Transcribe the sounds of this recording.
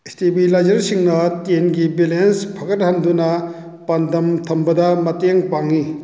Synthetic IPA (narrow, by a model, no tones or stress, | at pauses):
estibilajd͡ʒɐɾsiŋnɐtenɡibilenspʰɐkɐt̚hɐndunɐ | pɐndʱɐmtʰɐmbɐdɐmɐteŋpaŋːi